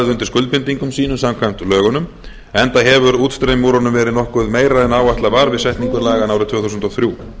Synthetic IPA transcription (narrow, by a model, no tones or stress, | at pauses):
ðɪʏnt̪ɪɾ̥skʏlt̪̚pɪnt̪iŋkʏmsiːnʏsamkʰvajm̥t̪lœːɣʏnʏm | ɛnt̪aɦɛvʏɾuːt̪st̪ɾejmuːɾɔnʏmvɛːɾɪðnɔhkʏðmeːjɾaðɛnaːwaht̪lavaːɾvɪðsɛht̪niŋkʏɾlaːɣanawɾɪt̪ʰvɛːθusʏnt̪ɔθɾjuː